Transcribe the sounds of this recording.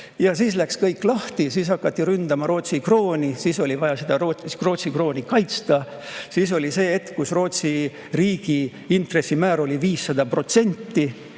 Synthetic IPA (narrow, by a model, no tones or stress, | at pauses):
jɑsiːslækskɤjkːˑlɑht̪isiːsɑkːˑɑt̪ːiɾynd̪ɑmɑɾo̞ːt̪sikro̞ːnʲisiːso̞livɑjɑsed̪̥ɑɾoro̞ːt̪sikro̞ːnikɑjt̪st̪ɑ | siːso̞lʲise̞ːet̪ːkusro̞ːt̪si | riːɡ̥i | int̪re̞sːimæːɾo̞lʲiviːsːɑd̪̥ɑpro̞t̪se̞nʲt̪ːi